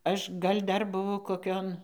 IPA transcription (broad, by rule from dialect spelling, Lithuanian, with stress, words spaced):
ˈɐʃ ˈɡɐlʲ ˈdɐr bʊˈʋɐʊ koːˈkʲoːn